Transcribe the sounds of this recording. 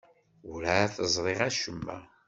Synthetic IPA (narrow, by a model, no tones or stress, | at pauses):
ɾaθəzˤɾˤeʁæʃəmːæ̰